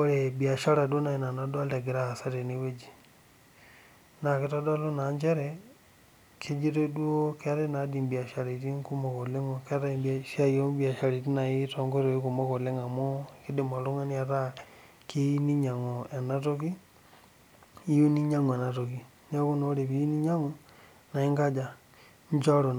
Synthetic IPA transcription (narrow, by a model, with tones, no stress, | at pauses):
o˦ɾebia˨ʃa˦ɾa˨do˦na˨i˨na˨nada˦lda˨ɡe˨ɾa˦a˨sa˦te˨niwe˦d͡ʒi˨ | na˨ke˦ta˦da˦lo˦na˨ɲd͡ʒe˦ɾɛ | kʰe˦d͡ʒi˦ɾe˦dwo˦ka˦ɾe˦na˨di˨mbi˨a˨ʃa˨ɾi˨ti˦ŋku˦mo˨ko˨le˦ŋokɾa˦ibʃa˦jo˦bi˦a˨ʃa˨ɾi˨ti˦na˨i˦tɔ˨ŋɡo˦ɾo˨i˦ku˨mo˦ko˨le˦ŋa˨mo˦ki˦de˨ma˨lo˦ŋa˦ni˦a˦ta˦ | ke˦i˦ni˦ɲa˨ŋo˨ɛ˨na˦to˦ki˦ | i˦ju˦ni˦ɲa˦ŋ˨ɛ˨na˨to˨ki˨ | ɲa˦ku˦no˦ɾe˨pi˦ji˦ni˦ɲa˦ŋo˦ | na˨i˦ŋɡa˦d͡ʒa˨ | ɲ˦t͡ʃa˦ɾo˨n˨